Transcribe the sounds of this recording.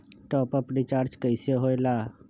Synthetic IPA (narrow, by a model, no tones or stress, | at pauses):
ʈɔːpəpɾit͡ʃaːɾd͡ʒkəɪsjoɦoːɪla